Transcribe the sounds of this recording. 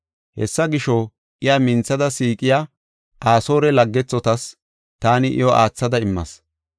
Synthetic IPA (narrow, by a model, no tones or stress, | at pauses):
hɛ̰sːɐɡɪʃɔ | ʔɪjamɪnt͡sːɐd̪ɐsiːkʼɪja | aːso̞ːɾɛlɐɡːɛt͡sːɔt̪ɐs | t̪aːnɪʔɪ̰joʔaːt͡sːɐd̪ɐɪmːɐ̰s